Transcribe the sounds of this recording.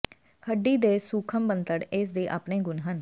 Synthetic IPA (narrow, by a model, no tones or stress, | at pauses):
həɖːiːd̪eːsuːkʰəmbənt̪əɽɪːs̬d̪eːʔaːpnẽːɡʊnɦən